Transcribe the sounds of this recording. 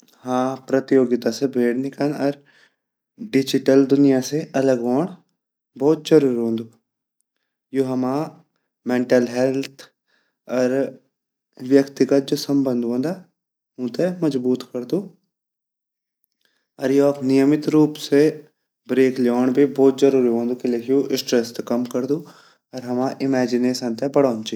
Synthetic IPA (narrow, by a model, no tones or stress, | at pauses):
hãːpɾɐt̪joːɡɪt̪asebʱeːɽnɪkənɔɾ | ɖɪd͡ʒɪʈəld̪ʊnɪjaseʔɐləɡoːɳ | bɔːt̪̚d͡ʒəɾuːɾõːnd̪u | joɦɐmaː | mẽɳʈəlɦɛlt̪ʰ | ɔːɾ | ʋjəkt̪ɪɡət̪̚d͡ʒoːsəmbə̃nd̪ʱɦõːnd̪a | ɦõːt̪eməzbuːt̪kəɾd̪uː | ɔɾjoknɪjəmɪt̪ɾuːpse | bɾeːkljoːɳ̃bʱibɔːt̪zəɾuːɾiɦõːnd̪uːkilekʰijoʔɪsʈɾest̪kɐmkəɾd̪uː | ɔɾɦɐmãːʔɪmɛːd͡ʒɪneːsə̃nt̪ebəɽɔːnt͡ʃi